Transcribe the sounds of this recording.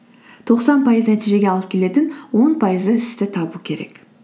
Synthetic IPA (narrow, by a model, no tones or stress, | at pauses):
t̪ʰo̞qsɑnpʰɑjəznæt̪ijʒe̞ɡʲeɑlˠəp̚kʲʰe̞le̞t̪ɪnwo̞npʰɑjəzəɪst̪ɪt̪ʰɑbukʲʰe̞ɾe̞̰k